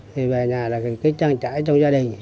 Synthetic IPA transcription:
t̪ʰi˨˩vaː˨˩ɲaː˨˩laː˨˩kka˨˦˥k̚t͡ɕa˧ŋt͡ɕa̰ː˧˥jt͡ɕɔ˧wŋ͡mzaː˧ɗï˨˩ŋ̟

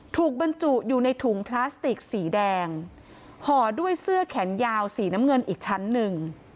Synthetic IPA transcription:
t̪ʰuː˨˩k̚ba˧nt͡ɕu˨˩ʔjuː˨˩na˧jt̪ʰu˩˦ŋpʰlaː˦˥st̪i˨˩k̚siː˩˦dɛː˧ŋ | hɔː˨˩du˥˩əjsɯ˥˩ɐkʰɛ˩˦njaː˧wsiː˩˦na˦˥mŋɤ˧nʔiː˨˩k̚t͡ɕʰa˦˥nːɯ˧ŋ

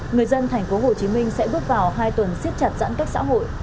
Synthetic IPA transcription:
ŋɨ˨˩əjzə˧nt̪ʰɛ˨˩ŋ̟fo˨˦ɦo˨˩t͡ɕi˨˦mï˧ŋ̟sɛ̰˧˥ɓɨ˦˥ək̚vaː˨˩wɦaː˧jt̪wə˨˩nsi˦˥t̚t͡ɕa˨˩t̚za̰˧˥nkaː˦˥k̚sa̰ː˧˥ɦo̰˧˨jʔ

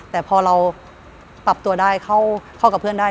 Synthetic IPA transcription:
t̪ɛː˨˩pʰɔː˧ɾa˧w | pa˨˩p̚t̪u˧ɐdaː˥˩jkʰa˥˩wkʰa˥˩wka˨˩pʰɯ˥˩ə˨ndaː˥˩

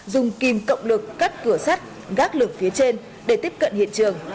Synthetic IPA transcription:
zʊ˨˩ŋ͡mki˨˩mkə̰˧˨wŋ͡mlɨ˨˩kːaː˦˥t̚kɨ˧˩əsa˦˥t̚ | ɣaː˦˥k̚lɨ˧˩əŋfi˨˦ət͡ɕe˧n | ɗe˧˩t̪i˦˥p̚kə̰˧˨nhḭ˧˨ənt͡ɕɨ˨˩əŋ

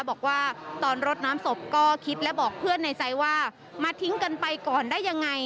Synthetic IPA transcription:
bɔː˨˩k̚waː˥˩t̪ɔː˧nɾo˦˥t̪̚naː˦˥mso˨˩p̚kɔː˥˩kʰi˦˥t̪̚lɛ˦˥bɔː˨˩k̚pʰɯ˥˩ənːa˧jt͡ɕa˧jwaː˥˩ | maː˧t̪ʰi˦˥ŋka˧npa˧jkɔː˨˩ndaː˥˩jːa˧ŋːa˧j

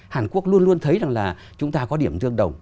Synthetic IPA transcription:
haː˨˩nku˦˥ək̚lu˧ənlu˧ənt̪ʰə˨˦jza˨˩ŋlaː˨˩ | t͡ɕʊ˨˦ŋ͡mt̪aː˧kɔ˨˦ɗi˧˩əmt̪ɨ˧əŋɗə˨˩wŋ͡m

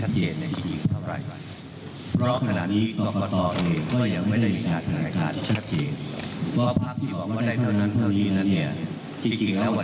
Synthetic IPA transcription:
a˦˥t̪̚t͡ɕeː˨˩na˧˩t͡ɕi˧˩t͡ɕi˧˩ŋt̪ʰa˥˩wɾa̰˨˩j | pʰɾɔ˦˥kʰa˧na̰ː˨˩t̪̚niː˦˥t̪ɔ˨˩pa˧t̪ɔː˧ɤː˧jkɔː˥˩ja˧˩ŋ̚ma˥˩jda˥˩jmiː˧˩kaː˧nt̪ʰa˧na̰ː˧kaː˧nt̪ʰiː˥˩t͡ɕʰa˦˥t̪̚t͡ɕeː˨˩npʰɔ˦˥pʰa˦˥k̚t̪ʰiː˥˩ɔː˨˩˦k̚waː˥˩daː˥˩jt̪ʰa˥˩wna˦˥nt̪ʰa˥˩wniː˦˥na˦˥nːi˥˩ɐ | t͡ɕi˧ŋt͡ɕi˧ŋlɛː˦˥wa˨˩

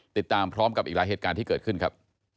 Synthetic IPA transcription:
t̪i˨˩t̪ːaː˧mpʰɾɔː˦˥mka˨˩pʔiː˨˩klaː˨˦jɦeː˨˩t̪̚kaː˧nt̪ʰiː˥˩kɤː˨˩t̪̚kʰɯ˥˩nkʰɾa˦˥p̚

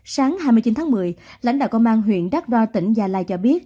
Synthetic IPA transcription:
saː˨˦ŋhaː˧jmɨ˧jt͡ɕi˨˦nt̪ʰaː˨˦mɨ˨˩əjla̰˧˥jŋ̟ɗa̰ː˧˨wkə˧wŋ͡mʔaː˧nɦwḭ˧˨ənɗa˦˥k̚ɗwaː˧t̪ï˧˩ŋ̟zaː˨˩la̰ː˧˨jt͡ɕɔ˧ɓi˦˥ət̚

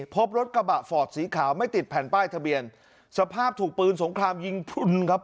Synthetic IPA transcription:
pʰo˦˥p̚ɾo˦˥t̪̚ka˧ba˨˩ʔfɔː˨˩t̪̚siː˩˦kʰaː˩˦wma˥˩jt̪i˨˩t̪̚pʰɛː˨˩npaː˥˩jt̪ʰa˧bi˧ən | sa˧pʰaː˥˩p̚t̪ʰuː˨˩k̚pɯː˧nso˩˦ŋkʰɾaː˧mji˧˩ŋpʰu˧nkʰa˦˥p̚

